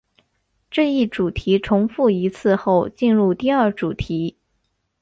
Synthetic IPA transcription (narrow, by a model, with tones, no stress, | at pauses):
ʈ͡ʂɤ˥˧i˥˩ʈ͡ʂu˨˩t̪ʰi˧˥ʈ͡ʂʰʊ˧˥ŋfu˥˩i˧˥t͡sʰɹ̩˥˧xo˥˩ʊt͡ɕi˥˧nɻu˥˧t̪i˥˧ə˞˥˩ʈ͡ʂu˨˩t̪ʰi˧˥